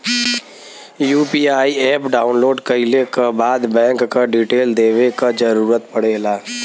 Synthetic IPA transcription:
juːpiːaːiɛːpɖaːʊnloːɖkɐɪlekabaːd̪bɛ̃ːŋkːaɖiːʈeːld̪eːʋekad͡ʒəɾuːɾət̪pɐɽeːlaː

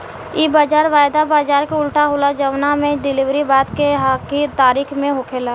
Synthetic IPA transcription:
iːbaːd͡ʒaːɾʋaːjd̪abaːd͡ʒaːɾkeʊlʈaɦoːlad͡ʒəʋnamẽɖɪlɪʋɾibaːt̪keɦakit̪aːɾiːkʰmẽɦokʰeːlaː

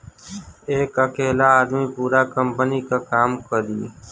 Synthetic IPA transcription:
eːkəkeːlaːaːd̪mĩːpuːɾaːkəmpəniːkaːkaːmkəɾiː

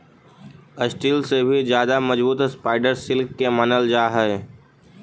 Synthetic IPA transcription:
əsʈiːlsebʱid͡ʒjaːd̪amɐd͡ʒbuːt̪spaːɪɖəɾsɪlkːemanəld͡ʒaːɦɛe

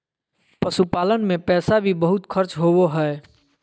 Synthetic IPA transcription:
pəsupaːlənmẽpɛːsabʱibəɦut̪kʰəɾt͡ʃɦowoɦɛ

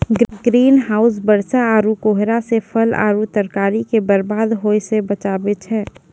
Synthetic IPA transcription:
ɡɡɾiːnɦaːʊs̬bəɾsaaːɾukoːɦɾasepʰəla̰ːɾut̪əɾkaːɾikebəɾbaːd̪ɦoːjsebət͡ʃaːbet͡ʃʰɛ̃ː

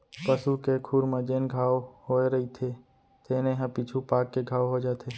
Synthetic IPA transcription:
pəsukekʰuɾmə̃d͡ʒeːnɡʱaːohoeɾɐit̪ʰe | t̪ʰeːnẽɦə̃pit͡ʃʰupaːkːeɡʱaːʋoɦod͡ʒaːt̪ʰe

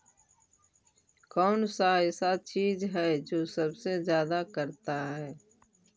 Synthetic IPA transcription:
kɔːnsaɪsat͡ʃiːzɦɛːd͡ʒoːsəbsezjaːd̪akəɾt̪aɦɛː

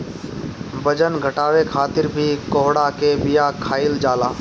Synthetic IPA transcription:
bɐd͡ʒənɡʱəʈaːwekʰaːt̪ɪɾbʱikoːɦɽakebɪjakʰaːɪld͡ʒaːlaː

